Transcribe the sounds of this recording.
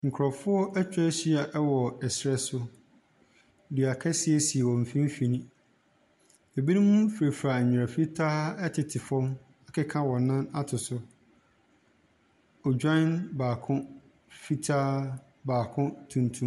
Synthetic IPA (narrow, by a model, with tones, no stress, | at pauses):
ŋ̩˨kʰɾɔ˨fʊ˦ɔ˦ʔæ˦t͡ɕᶣɛ˦ɕi˦a˨ʔɛ˦wɔ˨ɛ˨sɾɛ˦sʊ˦ | di˨a˨kʰɛ˦sɪ˦ɛ˦si˨ɛ˨wɔ̃˨m̩˨fĩ˦m̩˦fi˨nĩ˦ | e˨bi˦nũ˦mũ˦fɾe˨fɾa˨ɲ̩˨ɾa˨fi˦tʰaː˦ɛ˦tʰɪ˨tʰɪ˨fɔ̃˦m | a˨kʰɛ˦kʰã˦wɔ̃˨nːã˦na˦tʰʊ˨sʊ˦ | ɔ˨d͡ʑᶣɔ̃˦nbaː˨kʰʊ̃˦ | fi˦tʰaː˦ | baː˨kʰʊ̃˦tʰũ˨ntʰũ˦m